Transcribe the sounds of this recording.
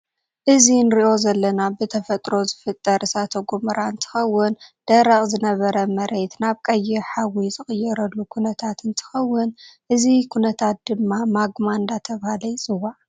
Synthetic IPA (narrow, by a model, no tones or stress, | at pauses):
ʔɨzinɨɾiʔo̞zɐlːɐnabɨt̪ʰɐfɐt̪ʼɾo̞zɨfɨt̪ʼːɐɾʔɨsat̪ʰɐɡomɐɾaɨnt̪ʰɨ̥xɐwːɨnd̪̥ɐɾɐχʼzɨnɐβɐɾɐmɐɾe̞t̪naβkʼɐjːɛħawizɨχʼɨjːɛɾɐlːukʰunɐt̪ʰat̪ɨnt̪ʰɨ̥xɐwːʊnʔɨzikʰunɐt̪ʰat̪̚d̪ɨmːamaɡmand̪at̪ʰɐβahalɐjsʼɨwaʔ